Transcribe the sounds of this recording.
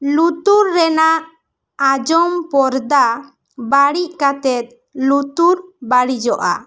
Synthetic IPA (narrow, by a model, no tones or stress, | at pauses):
lut̪uɾːɛnaʔː | d͡ʒɔmpɔɾd̪a | baɽiʔkat̪ɛt̪̚ | lut̪uɾbaɽid͡ʒɔʔa̰